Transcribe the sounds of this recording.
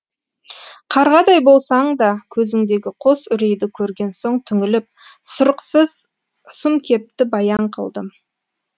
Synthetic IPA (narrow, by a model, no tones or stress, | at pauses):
qʰɑɾʁɑd̪ɑjbo̞lˠsɑɴd̪ɑkʲʰɵzɪŋd̪e̞ɡʲɪqʰo̞sʏɾe̞jd̪ɪkʲʰɵɾɡʲe̞nso̞ɴt̪ʰʏŋɪlɪp̚ | sʊɾəqsəz | sʊmkʲʰe̞p̚t̪ɪbɑjɑɴqʰə̰lˠd̪ə